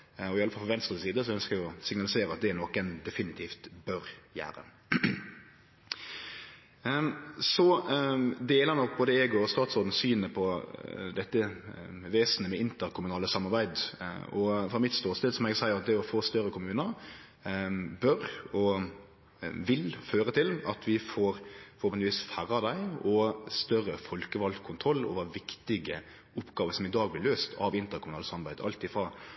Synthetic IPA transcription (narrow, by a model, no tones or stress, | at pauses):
ɔɪɑləfɑlfɔʋɛnst̪ʁəsiːd̪əsɔœnskəʁɛɡɪɔsɪŋnɑlɪseːɾəɑt̪̚d̪ɛænɔkːənd̪ɛfɪnɪt̪ʰiːft̪bœɾjæ̰ːɾə̰ | sɔ | d̪eːlənɔkboːd̪əeːɡʊɔst̪ɑːt̪sɔːd̪n̩syːnəpʰɔd̪ɛt̪ːəʋeːsnəmɛɪnt̪əɾkʰʊmʉnɑːləsɑmːɑʁbæɪd̪ɔfɾɑmɪt̪st̪oːst̪ɛːd̪sɔmɛɡsæɪəɾɑt̪̚d̪ɛɔfoːst̪œɾəkʰʊmʉːnəɾ | bœɾɔ | ʋɪlføːɾət̪ʰɪlɑt̪ʰʋɪfoːɾpʰɔɔp̪ʋiːsfæɾɑd̪æɪɔst̪œrəfɔlkəʋɑlkʰʊnt̪ʰɾɔlːo̰ːʋəʋɪkt̪ɪɡə | ʊpːɡɑːʋəsɔmɪd̪ɑːɡ̚blɪløːst̪ʰɑ̰ʋɪnt̪əɾkʊmʉnɑːləsɑmːɑɾbæɪd̪ɑ̰lt̪ɪfʁɑː